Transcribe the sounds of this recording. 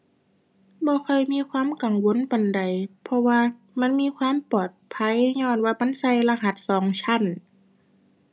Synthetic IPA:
bɔː˧˦xʰɔ˧˩jmiː˧˥˨kʰwaː˧˥˨mka˨˩ŋwo˧˥˨nba˨nda˨˩jpʰɔ˧waː˧ | ma˧˥˨nmiː˧˥˨kʰwaː˧˥˨mpɔː˨˩t̪̚pʰa˧˥˨jɲɔː˧˩˨nwaː˧˨ma˧˨nsa˧˨jla˧ɦa˧˩t̪̚sɔː˨˦ŋt͡ɕʰa˧˥˨n

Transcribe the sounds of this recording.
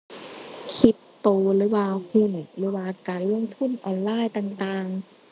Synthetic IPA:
kʰi˧˦˥t | t̪oː˧lɯː˨˦waː˧hu˧˥˨n˨˩lɯː˨˦waː˧˩kaː˨nlu˧˥˩ə˨mt̪ʰu˧˥˨nʔɔː˧˩nlaː˧˥˨jt̪aː˧ŋt̪aː˧ŋ

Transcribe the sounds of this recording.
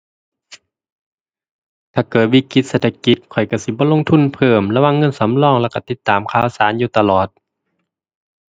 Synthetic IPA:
t̪ʰaː˧˩kɤː˨˩t̪̚wi˧˩ki˧˥t̪̚se˧t̪ʰa˧ki˧˦t̪̚kʰɔ˨˩jka˧˩si˧˦bɔː˧˦lo˧˨ŋt̪ʰu˧˥˨npʰɤː˧˩mla˧wa˧˥˨ŋːɤ˧˥˨nsa˨˦mlɔː˧˩˨ŋlɛ˧˩wka˧˩t̪i˧˦t̪ːaː˨˩mkʰaː˧˩˨saː˨˦njuː˧t̪a˧lɔː˨˩t̪̚

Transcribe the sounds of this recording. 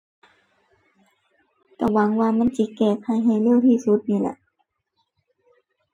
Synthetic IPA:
ka˧˩wa˨˦ŋwaː˧ma˧˥˨nsi˧˦kɛː˧˩k̚ha˧˩jɦa˧˩jlɯ˧˩˨wt̪ʰiː˧˩˨su˧˦t̪̚niː˧˩˨lɛ̰˧˦ʔ

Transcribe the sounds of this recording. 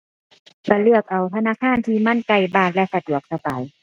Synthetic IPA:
ka˧˩lɯ˧˩ək̚ʔa˨˩wt̪ʰa˧naː˧˥˨kʰaː˧˥˨nt̪ʰiː˧ma˧˥˨nka˧˩jbaː˧˩t̪̚lɛ˧ʔsa˧d̪u˨˩˦ək̚sa˧˩ba˨j

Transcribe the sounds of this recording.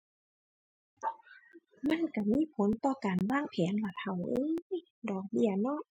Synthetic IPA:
ma˧˥˨nka˧˩miː˧˥˨pʰo˨˦nt̪ɔː˧˩kaː˨˩nwaː˧˥˨ŋpʰɛː˨˦nla˧˩t̪̚ha˨˩wʔɤː˧˦ | dɔː˨˩k̚bi˧˥˩ɐnɔ˧˥˨ʔ

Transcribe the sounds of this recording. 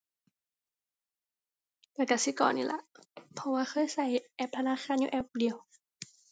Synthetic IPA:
t̪ɛː˧˩ka˧˩si˧˦kɔ̰ː˨nːiː˧˩˨la̰˧˦ʔpʰɔ˧˥waː˧xʰɤː˧˥˨jsa˧˩jʔɛ˧˩p̚t̪ʰa˧naː˧˥˨xʰaː˧˥˨njṵ˧˨ʔɛ˧˥p̚di˨ə˨w

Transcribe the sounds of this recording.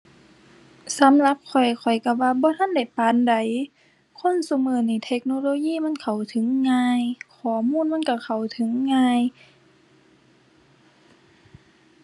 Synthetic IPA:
sa˨˦mla˧˦p̚kʰɔ˨˩jkʰɔ˨˩jka˧˩waː˧bɔː˧˦t̪ʰa˧˥˨nda˨˩jpaː˨˦nda˨˩j | kʰo˧˥˨nso˧˦mɤː˧˩ni˧˩t̪ʰe˧˥k̚no˧loː˧˨jiː˧˥˨ma˧˥˨nkʰa˨˩wt̪ʰɯ˨˦ŋːaː˧˨jkʰɔː˨˩˦muː˧˥˨nma˧˥˨nka˧˩kʰa˨˩wt̪ʰɯ˨˦ŋːaː˧˨j

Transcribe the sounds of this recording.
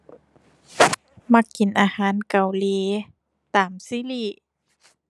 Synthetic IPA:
ma˧˩kːi˨˩nʔaː˧haː˨˦nka˨˩wliː˧˦ | t̪aː˨˩msiː˧˦˨li˧˩

